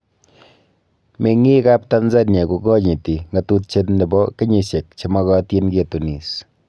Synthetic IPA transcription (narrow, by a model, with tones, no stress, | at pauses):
me˨ŋi˦ka˦p̚ta˦nza˦ɲe˨ku˨kɔ˦ɲi˨ti˨ŋɡa˨tu˦t̚t͡ʃe˦tnde˨bɔ˦ke˦ɲe˨se˨k̚t͡ʃe˨mɔ˦kɑ˦ti˦nke˨tu˨ni˨s